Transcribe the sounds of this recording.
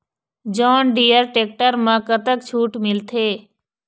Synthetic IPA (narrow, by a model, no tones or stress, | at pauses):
d͡ʒɔːnɖiːəɾʈeːk̚ʈəɾmãkət̪əkt͡ʃʰuːʈmɪlt̪ʰeː